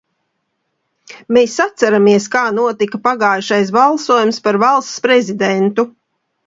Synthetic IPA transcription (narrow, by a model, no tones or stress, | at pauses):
meːsːat̪saɾamiɛskaːnuɔt̪ikapaɡaːjʃajs̬balˠsuɔjumspaɾvalˠst̪spɾɛzid̪ɛnt̪u